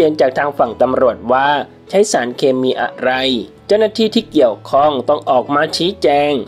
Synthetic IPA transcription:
eː˧nt͡ɕaː˨˩k̚t̪ʰaː˧ŋfa˨˩ŋt̪a˧mɾu˨˩ət̪̚waː˥˩ | t͡ɕʰa˦˥jsaː˩˦nkʰeː˧miː˧ʔa̰˨˩ɾa˧j | t͡ɕa˥˩wnaː˥˩t̪ʰiː˥˩t̪ʰiː˥˩ki˨˩əwkʰɔ˥˩ŋt̪ɔ˥˩ŋʔɔː˨˩k̚maː˧t͡ɕʰiː˦˥t͡ɕɛː˧ŋ

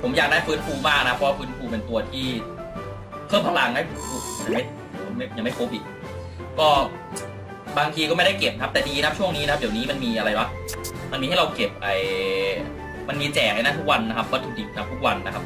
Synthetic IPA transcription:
pʰo˩˦mjaː˨˩k̚daː˥˩jfɯː˦˥nfuː˧maː˥˩k̚na˦˥pʰɔ˧˦waː˥˩fɯː˦˥nfuː˧pe˧nt̪u˧ɐt̪ʰiː˥˩ | kʰɤː˥˩mpʰa˧la˧ŋnaː˥˩pʰu˧˩ma˧nja˨˩ŋma˥˩j | pʰo˩˦m˥˩˦ɲaː˨˩ma˥˩pʰo˦˥p̚ʔḭː˨˩k̚ | kɔː˥˩ | baː˧ŋt̪ʰiː˧kɔː˥˩ma˥˩jda˥˩jke˨˩p̚kʰa˦˥p̚t̪ɛː˨˩diː˧na˦˥p̚t͡ɕʰu˥˩əŋniː˦˥na˥a˦˥di˨˩wniː˦˥ma˧nmiː˧ʔa˧ɾa˧jwa˦˥ | ma˧niː˧ha˥˩ɾa˧wke˨˩p̚ʔaː˨˩j | ma˧nmiː˧t͡ɕɛː˨˩ha˥˩jna˥˩t̪ʰu˥k̚wa˧nːa˦˥kʰa˦˥p̚wa˦˥˩t̪ʰːu˧˩di˨˩p̚na˦˥p̚t̪ʰu˦˥k̚wa˧nːa˦˥kʰa˦˥p̚

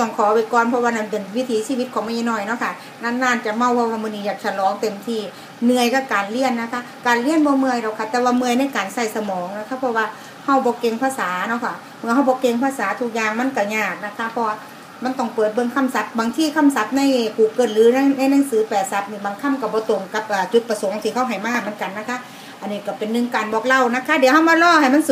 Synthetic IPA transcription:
t̪ɔ˧˩ŋkʰɔː˨˦˧wa˧˩kɔː˧˥npʰɔ˧waː˧na˧˩npe˨˩nwi˦˧˥t̪ʰiː˨˦siː˧˨wi˧˦t̪̚kʰɔː˨˦ŋma˧˥˨ʔi˧nɔː˧˩˨jnɔ˧˥˦kʰa˧˩ | na˧˥˩nːaː˧˥˨nt͡ɕa˨˩ma˧˩˨wpʰɔ˧waː˧mɯː˧˨nːiː˧jaː˨˩k̚t͡ɕʰa˧˩lɔː˨˦ŋt̪e˨mt̪ʰiː˧˩ | nɯ˧əjka˧˩kaː˨˩nli˧˩ənːa˧˥kʰa˧˥˩kaː˨nli˧˩ənbɔː˧˦mɯ˧əjdɔ˧˩kʰa˧˩t̪ɛː˧˦waː˧mɯ˧əjna˧˥˨jkaː˨nsa˧˩jsa˧mɔː˨˦ŋna˧kʰa˧˥pʰɔ˧waː˧˩ | ha˧˩wbɔː˧˦ke˧ŋpʰaː˧˨saː˨˦nɔ˧˩kʰa˧˩ | mɯ˧ɐha˧˩wbɔː˧˦ke˧ŋpʰaː˧˨saː˨˦t̪ʰu˧˥k̚jaː˧ŋma˧˥˨nka˧˩ɲaː˧˩k̚na˧˥kʰa˧˥pʰɔ˧waː˧ | ma˧˥˨nt̪ɔ˧˩ŋpɤː˨˩t̪̚bɤ˧˨ŋkʰa˧˥˨msa˧˦t̪̚baː˨˦ŋt̪ʰiː˧˩kʰa˧˥˨msa˧˦t̪̚na˧˩˨jkʰuː˨˩kɤː˧˩nlɯː˨˦n˧na˧˥˨jnaː˧ŋsɯː˨˦pɛː˨˩sa˧˦t̪̚niː˧˩baː˨˦ŋkʰa˧˥˨mka˧˩bɔː˧˦t̪o˨˩ŋka˧p̚ʔaː˨˩t͡ɕu˧˦˥t̪̚pa˧so˨˦ŋt̪ʰiː˧˩kʰa˧˥˩wɦa˨˩jmaː˧˨˩mɯ˧˥ə˨nka˨nːa˧˥˩kʰa˧˥ | ʔa˨nːiː˧˩ka˧˩pe˨nːɯ˧˨ŋkaː˨nbɔː˧˦k̚la˧˩˨wna˧˥kʰa˧˥di˨˦wɦa˧˨wmaː˧˥˨lɔː˧˩˨ha˨˩jma˧˥˨n˧

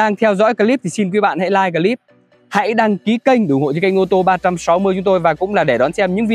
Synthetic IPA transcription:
aː˧ŋt̪ʰɛ˧wzɔ̰˧˥jkaː˧li˦˥p̚t̪ʰi˨˩si˧nkwi˨˦ɓa̰ː˧˨nha̰˧˥jlaː˧jk̬aː˧li˦˥p̚ | ha̰˧˥jɗaː˧ŋki˨˦kə˧jŋ̟ɗɨ˨˩ŋ͡mho̰˧˨t͡ɕə˨˦ka˧jŋ̟ʔo˧t̪o˧ɓaː˧t͡ɕa˧msa˨˦wmɨ˧jt͡ɕʊ˨˦ŋ͡mt̪o˧jvaː˨˩kʊ̰˧˥ŋ͡mlaː˨˩ɗe˧˩ɗɔ˨˦nsɛ˧mɲɨ̰˧˥ŋvi˨

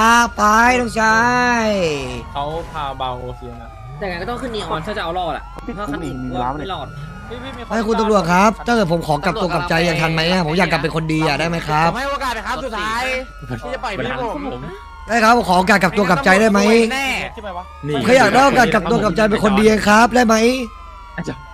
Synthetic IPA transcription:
a˦˥pa˧˥jt̪ɔ˥˧˩ŋt͡ɕʰa˥jkʰa˦˥wpʰaː˧a˧ | aː˨˩ŋ˧jkɔː˥˩t̪ɔ˥˩ŋkʰɯ˥˩nːi˧˩˨ʔɔ˨˩kʰa˥˩t͡ɕa˨˩ʔlɔː˥˩t̪la̰˨˩ʔ | lɔː˥˩ | ma˥˩kʰu˧nt̪ɔ˥˩ŋlu˨˩ət̪̚kʰa˦˥p̚t̪ʰaː˥˩kɤː˨˩t̚pʰo˩˦mkʰɔː˩˦ka˨˩p̚t̪u˧ɐka˨˩p̚t͡ɕa˧jːaː˨˩ŋt̪ʰa˧nma˦˥jʔa˧˩pʰo˩˦jaː˨˩kːla˨˩pːe˧nkʰo˧ndiː˧aː˨˩daː˥˩jma˦˥jkʰa˦˥pjkaː˨˩˦u˨˩t̪ʰːaː˦˥j | daː˥˩jkʰa˦˥p̚ʰːkʰɔː˩˦ʔa˧k̬aː˨˩ka˨˩p̚t̪u˧əka˨˩p̚t͡ɕa˧jdaː˥˩jma˦˥j | aː˧˩jaː˨˩k̚daː˥˩o˧˩kaː˨˩ka˨˩p̚t̪u˧ɐka˨˩p̚t͡ɕa˧jp̬e˧nkʰo˧ndiː˧ja˧˦ŋkʰɾa˦˥p̚daː˥˩jma˦˥j

